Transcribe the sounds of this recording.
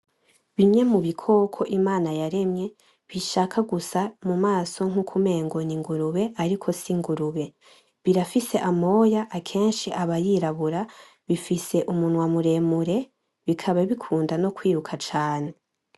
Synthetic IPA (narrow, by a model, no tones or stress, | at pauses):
βiɲɲe̞muβikʰo̞ːkʰo̞ʔimaːnajaɾe̞mɲe̞ | βiʃaːkʰaɡusamumaːso̞ŋ̥hukʰume̞ːŋɡoniŋɡuɾuβe̞ʔaɾikʰo̞siŋɡuɾuβe̞ | βiɾafise̞ʔamo̞ːjaʔakʰe̞ːnʃiʔaβajiɾaβuɾa | βifise̞ʔumunwamuɾe̞muɾe̞ | βikʰaβaβikʰuːndano̞kwiːɾukʰat͡ʃaːne̞